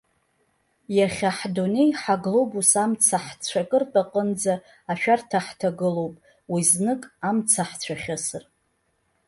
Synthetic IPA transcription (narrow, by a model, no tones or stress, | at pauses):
jaχʲaħdone̞jħaɡlobusamt͡sʰaħt͡sʷʰakʼɨrtʼaqʼənd͡zaː | ʃᶣartʰaħtʰaɡɨlo̞wpʼ | wiznɨkʼamt͡sʰaħt͡sʷʰaχʲasɨr